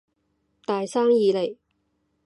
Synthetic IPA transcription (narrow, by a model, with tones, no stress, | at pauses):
t̪aː˨jsaː˥ŋjiː˨˧le˨˩j